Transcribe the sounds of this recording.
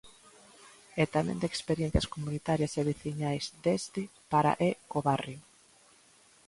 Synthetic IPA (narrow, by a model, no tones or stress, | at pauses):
ɛt̪amɛ̰̃nd̪ekspeɾjẽn̟θjɐskomunit̪aɾjɐseβiθiɲajzd̪est̪ɪpaɾa̰ʔekoβarjo